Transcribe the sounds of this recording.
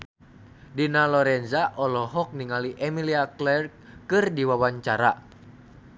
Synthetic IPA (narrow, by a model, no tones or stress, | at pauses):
dinalɔɾɛnzaʔɔlɔɦɔk̚niŋaliʔɛmiliaklɛr | kɨrdiwawaɲt͡ʃaɾa̰